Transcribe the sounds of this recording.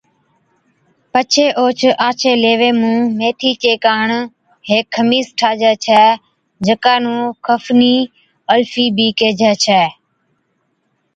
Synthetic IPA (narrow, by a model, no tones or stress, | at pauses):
pət͡ʃʰeːʔoːt͡ʃʰʔaːt͡ʃʰeːleːʋeːmũːmeːt̪ʰiːt͡ʃeːkaːɳ | ɦeːkʰːəmiːsʈʰaːd͡ʒɛːt͡ʃʰɛː | d͡ʒəkaːnũːkʰəfniː | əlfiːbiːkeːd͡ʒʱɛːt͡ʃʰɛː